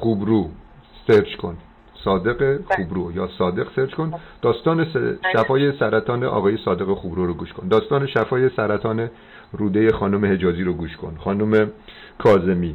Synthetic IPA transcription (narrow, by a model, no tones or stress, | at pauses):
xuːbɾuː | seɾt͡ʃkʰo̞̰n | sɒːd̪e̞ɣexubɾuːjɒːsɒːd̪e̞ɣseɾt͡ʃkʰond̪̥ɒːst̪ɒːneʃæfɒːjesæɾæt̪ʰɒːnḛʔɒ̰ːɣɒːjesɒːd̪e̞ɣexubɾuɾoɡuːʃkʰo̞nd̪ɒːst̪ɒːneʃæfɒːjesæɾæt̪ʰɒːne | ruːd̪ejexɒːnomehed͡ʒɒːziːɾoɡuːʃkʰo̞̰nxɒːnome | kʰɒːze̞miː